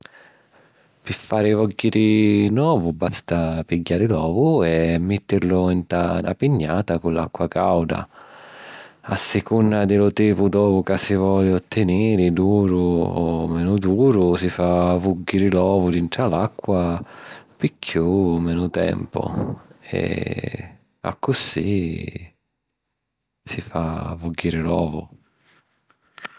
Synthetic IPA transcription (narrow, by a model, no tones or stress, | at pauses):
pɪfːaːɾɪvɔɡːiɾɪnwɔːvʊbast̪apiɟːaːɾɪlɔːvʊɛmːɪt̪ːɪɾlʊint̪ana̰piɲːaːt̪akunlakːwaka̰wd̪a̰ | asːɪkunːad̪ɪlʊt̪iːpʊd̪ɔːvʊkasːivɔːlɪɔt̪ːɪniːɾɪd̪uːɾʊɔmɛːnʊd̪uːɾʊsifavuɡːiɾɪlɔːvʊd̪int̪ɾalakːwa | pikʰːjuːmɛːnʊt̪ɛ̰mpʊ̰ɛ̰ | a̰kːʊsi | sifavuɡːiɾɪlɔ̰ːvʊ̰